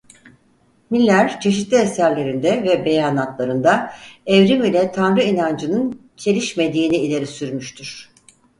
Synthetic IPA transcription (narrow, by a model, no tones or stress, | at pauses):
milʲːæɾt͡ʃʰe̞ʃit̪lʲiescæɾlʲe̞ɾind̪ɛvɛbe̞jaːnat̪lˠaɾɯnd̪aɛvɾimilʲɛt̪ʰanɾɯinand͡ʒɯnɯn | t͡ʃʰe̞lʲiʃme̞d̪iːniːlʲe̞ɾisyɾmyʃt̪ʰyɾ̥